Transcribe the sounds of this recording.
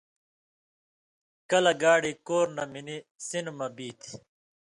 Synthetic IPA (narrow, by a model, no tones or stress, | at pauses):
kɐlɐɡaːɽikoːɾnɐminisinmɐbiːt̪ʰi̥